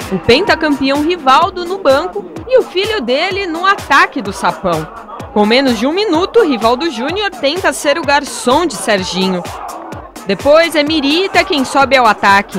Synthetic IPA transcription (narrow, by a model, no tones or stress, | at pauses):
ʊpẽnt̪ɐkɐ̃mpiɐ̃w̃ɦivawd̪ʊnʊbɐ̃ŋkʊɪʊfiljʊd̪elɪnũat̪akɪd̪ʊsapɐ̃w̃ | kõw̃mẽnʊzd͡ʒɪũminut̪ʊɦivawd̪ʊʒũnioɾt̪ẽnt̪ɐseɾʊɡaɾsõw̃d͡ʒɪsɛɾʒĩɲʊ | d̪epojzɛmiɾit̪ɐkẽj̃sɔbɪawat̪akɪ